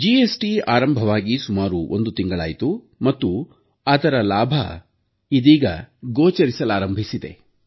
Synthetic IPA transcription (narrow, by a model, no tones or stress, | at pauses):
d͡ʒiːesʈiaːɾɐmbʱɐʋaːɡisumaːɾuʔo̰nd̪ut̪iŋɡɐɭaːjit̪u | mɐt̪ːu | ɐd̪ɐɾɐlaːbʱɐ̰ | id̪iːɡɐ̰ɡoːt͡ʃɐɾisɐlaːɾɐmbʱisid̪e̞̰